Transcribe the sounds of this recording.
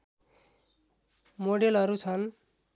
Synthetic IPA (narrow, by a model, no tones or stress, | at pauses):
moɖelʌɾut͡sʰʌn